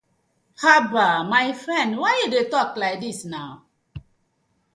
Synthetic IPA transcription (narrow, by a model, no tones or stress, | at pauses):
habamajfɹɛ̃ndwajudetɔklajk̚disnaʊ